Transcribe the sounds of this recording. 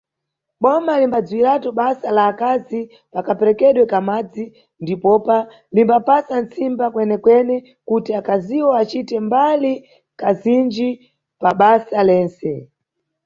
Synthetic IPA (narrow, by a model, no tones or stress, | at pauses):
ɓɔmalimbad͡zwiɾatɔɓasalaːkazi | pakapɛɾɛkɛɗwɛkamad͡zi | ndipɔpa | limbapasant͡simbakwɛnɛkwɛnɛ | kutiakaziwɔat͡ʃitɛmbali | kazind͡ʒi | paɓasalɛːnsɛ